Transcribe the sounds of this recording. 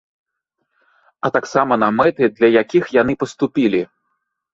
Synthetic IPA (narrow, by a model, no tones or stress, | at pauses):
ɐt̪aksamɐnɐmɛt̪ɨd̪lʲɐjakʲixjanɨpɐst̪upʲilʲi